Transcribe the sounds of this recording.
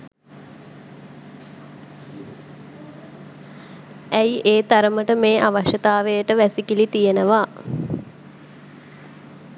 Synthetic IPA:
æjʔeːt̪aɾəməʈəmeːʔaʋaʃət̪aːʋejəʈəʋæsikilit̪ijenəʋa

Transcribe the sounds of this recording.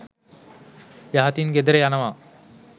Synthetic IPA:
jaɦat̪inɡed̪əɾejanəʋa

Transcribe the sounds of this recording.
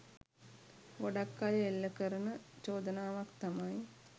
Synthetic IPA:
ʋoɖakːalelːəkəɾənət͡ʃoːd̪ənaːʋakt̪amaj

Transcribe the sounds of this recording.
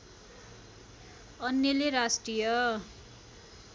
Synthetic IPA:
ʌnːʌleɾasʈrijʌ

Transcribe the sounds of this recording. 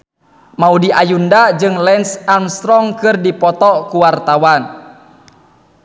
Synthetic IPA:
maudiʔajundad͡ʒɨŋlɛnsamst̪ɾɔŋkɨrdipɔt̪ɔkuwart̪awan

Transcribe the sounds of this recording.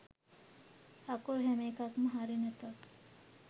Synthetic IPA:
hakuɾɦɛmeːkakməɦaɾinət̪o

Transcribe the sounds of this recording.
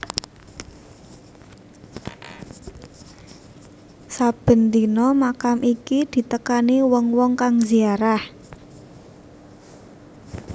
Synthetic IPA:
sab̥ə̤nt̪inɔmakamʔikid̪̥i̤t̪əkaniwɔŋwɔŋkaŋziaɾah

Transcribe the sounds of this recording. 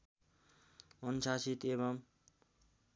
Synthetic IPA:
ʌnsasit̪eβʌm

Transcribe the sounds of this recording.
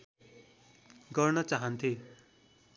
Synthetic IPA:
ɡʌrnʌt͡saɦʌnt̪ʰe

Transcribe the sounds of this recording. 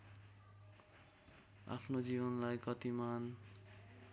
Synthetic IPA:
a̰pʰnod͡ziβʌnlajkʌt̪iman

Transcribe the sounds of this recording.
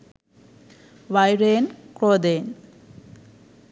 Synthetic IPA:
ʋajɾeːnkɾoːd̪eːn

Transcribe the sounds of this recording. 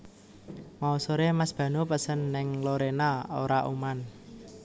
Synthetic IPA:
mausoɾemasb̥ä̤nupəsənːɪŋloɾenao̰ɾaʔṵman

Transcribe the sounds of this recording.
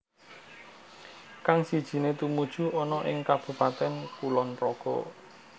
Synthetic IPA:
kaŋsid̥ʒ̥i̤net̪umud̥ʒ̥ṳɔnɔʔɪ̰ŋkab̥ṳpat̪ɛnkulɔnprɔɡ̥ɔ̰

